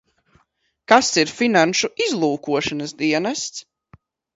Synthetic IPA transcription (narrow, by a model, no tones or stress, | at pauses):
kasiɾfinanʃuizlˠuːkuɔʃanɐsd̪iɛnast̪s